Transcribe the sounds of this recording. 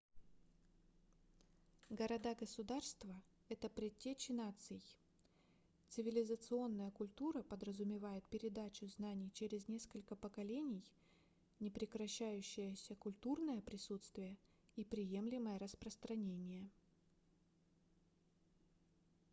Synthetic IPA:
ɡəɾɐd̪aɡəsʊd̪arst̪və | ɛt̪əpɾʲɪtʲːet͡ɕɪnat̪sɨj | t̪sɨvʲɪlʲɪzət̪sɨo̞nːəjəkʊlʲt̪uɾəpəd̪ɾəzʊmʲɪvajɪt̪̚pʲɪɾʲɪd̪at͡ɕʊznanʲɪjt͡ɕeɾʲɪznʲe̞skəlʲkəpəkɐlʲenʲɪj | nʲɪpɾʲɪkɾɐɕːæjʉɕːɪjəsʲəkʊlʲt̪urnəjəpɾʲɪsut̪st̪vʲɪjə | ipɾʲɪje̞mlʲɪməjəɾəspɾəst̪ɾɐnʲenʲɪjə

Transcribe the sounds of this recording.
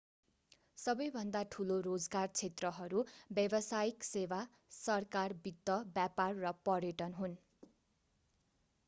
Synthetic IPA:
sʌbʌjbʱʌnd̪aʈʰuloɾod͡zɡart͡sʰet̪rʌɦʌɾubjʌbʌsajiksewa | sʌrkarbid̪ːʌbjaparːʌpʌrjeʈʌnɦun

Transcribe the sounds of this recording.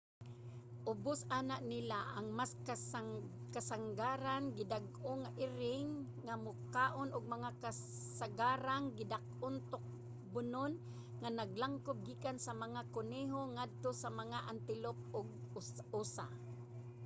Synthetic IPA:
ʔʊbʊsaːnaʔnɪlaʔaŋmask | kasaŋɡaɾanɡɪdaɡʔʊŋaʔɪɾɪŋː | amʊkaːʔʊnʊɡ̚maŋaka | saɡaːɾaŋɡɪdak̚ʔʊnt̪ʊk̚ | bʊnʊn | ŋanaɡlaŋkʊb̚ɡiːkansamaŋakʊniɦoŋad̪̚t̪osamaŋaʔant̪ɪlʊp̚ʊɡ̚usa̰

